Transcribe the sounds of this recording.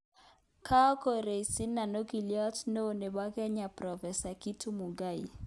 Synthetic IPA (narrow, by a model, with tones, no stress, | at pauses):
kʰa˦ɔ˦ko˨ɾe˨si˦na˨no˦ki˨ljɔ˦tno˦˨ne˨ba˦kɛ˦ɲa˨pɾɔ˨fɛ˨sa˨ki˦tʰu˦mu˨ɡa˦˨i˨